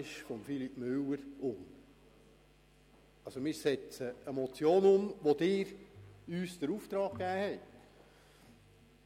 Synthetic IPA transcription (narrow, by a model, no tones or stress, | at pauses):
ʃχʊmfilipmʏləɾʊm | ɑlsomɪːɾsɛt͡səəmɔt͡sjoːnʊmʋod̥̪ɪːɾyːsd̥əɾuːft̪ɾɑːkkːæːhɛɪt